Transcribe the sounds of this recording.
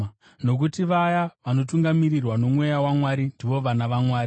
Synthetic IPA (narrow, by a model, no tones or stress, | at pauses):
no̞k̬utiʋajaʋano̞tuŋɡamirirwano̞mwe̞jawamwaɾindiʋo̞ʋanaʋamwaːɾi